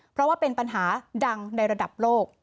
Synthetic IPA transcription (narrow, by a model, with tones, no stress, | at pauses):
pʰɾɔ˦˥waː˥˩pe˧npa˧nɦaː˩˦da˧ŋna˧jɾa˧da˨˩p̚loː˥˩k̚